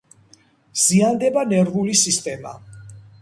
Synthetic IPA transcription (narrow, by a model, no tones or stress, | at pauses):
z̥iand̪ɛbanɛɾvulisist̪ʼɛma̰